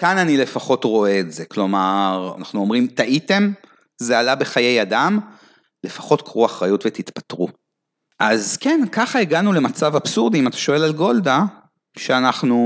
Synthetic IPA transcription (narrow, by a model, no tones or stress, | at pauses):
kananile̞faχo̞tʁo̞e̞ːtze̞klo̞maʁa̰naχnuomʁimtaʔite̞m | zealabe̞χaje̞jadam | le̞fḁχo̞tkʁuaχʁajutvet̪itpatʁu | ʔazkenkaχaeɡanule̞mat͡savab̥suʁdiimatḁʃo̞e̞lalɡo̞lda | ʃeanaχnu